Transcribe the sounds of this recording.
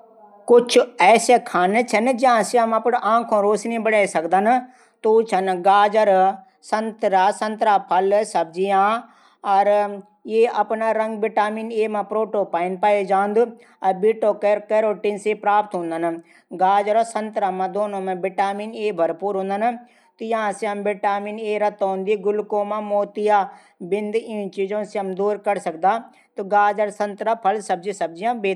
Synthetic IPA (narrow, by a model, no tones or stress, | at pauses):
kʊt͡ʃʰʊɛːsekʰaːnet͡ʃʰɐnd͡ʒɪãːsiamɐpɽʔãːkʰõːɾoːsnĩbɐɽaːsɐkd̪ən | t̪ot͡ʃʰɐnɡaːd͡ʒəɾ | sɐ̃nt̪ɾaːsɐ̃nt̪ɾaːpʰɐlsɐb̚d͡ʒiã | ɐɾ | jeːʔɐpnaɾɐ̃ŋɡbɪʈaːmiːneːmãpɾoːʈopaːɪnpaːed͡ʒãːnd̪ʊ | ɐɾbiːʈoːkekeɾoːʈiːnsepɾaːp̚t̪ɦõnd̪anã | ɡaːd͡ʒəɾosənt̪ɾamãd̪oːnõmẽbɪʈaːmiːneːbʱɐɾpuːɾɦõːnd̪ana | t̪ojɐɦãseɦɐmbɪʈaːmiːneːɾɐt̪ɦõːnd̪iɡʊlkõːmãmoːt̪ija | bɪ̃nd̪ĩt͡ʃiːd͡ʒõseɦɐmd̪uːɾkəɾsɐk̚d̪aː | t̪oɡaːd͡ʒəɾsɐ̃nt̪ɾapʰɐlsɐb̚d͡ʒisɐb̚d͡ʒijãbeː